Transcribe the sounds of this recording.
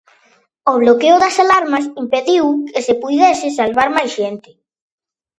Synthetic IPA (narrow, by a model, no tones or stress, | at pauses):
oβ̞lokeʊðasalaɾmasimpeðiwkesepujðesɪs̬alβaɾmajsʃent̪ɪ̥